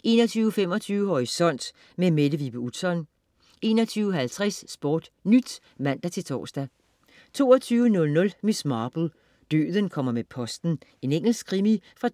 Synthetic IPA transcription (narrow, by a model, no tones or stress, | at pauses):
ʔe̝̰ːnɒt͡sʰyːʊəfem̰ɒ̽t͡sʰyːʊəhɒʁisɒ̽n̰d̥ | memed̥əʋib̥əu̥sɒ̽n | e̝̰ːnɒ̽t͡sʰyːʊəɦælt͡sʰʁɛsːb̥ɔːd̥nyd̥ | mæn̰d̥æt͡sʰe̝lt͡sʰɒ̰ːsd̥æ | t͡sʰo̝̰ːɐt͡sʰyːʊənɔ̽lnɔ̽lmismɑːb̥l̩ˠ | d̥ø̰ːðˠənkʰɒ̽m̰ɐmepʰɒ̽sd̥n̩e̝neŋ̰l̩sɡ̥kʰʁimifʁɑ̈